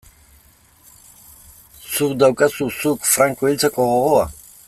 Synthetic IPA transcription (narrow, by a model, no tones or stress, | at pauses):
sukd̪awkʼasusukfɾaŋkʼoilt͡s̪ʰakʼoɣoɣoa